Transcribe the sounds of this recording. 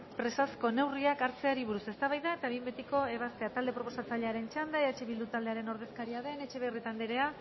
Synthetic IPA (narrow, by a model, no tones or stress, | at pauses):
pɾe̞sasko̞ne̞wriakaɾt͡se̞aɾiβuɾuse̞st̪aβajðae̞t̪aβimbet̪iko̞e̞β̞ast̪e̞at̪ald̪epɾo̞po̞sat͡saʎeaɾe̞nt͡ʃand̪aet͡ʃeβild̪ut̪ald̪e̞aɾe̞no̞ɾð̞e̞skaɾiaðe̞ne̞t͡ʃe̞βerit̪and̪iɾe̞a